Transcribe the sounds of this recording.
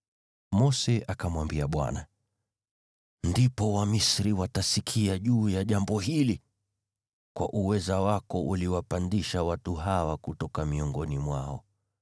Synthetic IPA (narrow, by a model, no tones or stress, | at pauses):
mɔsɛʔakamwambiaɓwa̰na | ndipɔwamisɾiwatasikʰiaʄuːjaʄambɔhili | kwa̰ʔuwɛzawakɔʔuliwapandiʃawatuɦawakutɔkamiɔŋɡɔnimwaɔ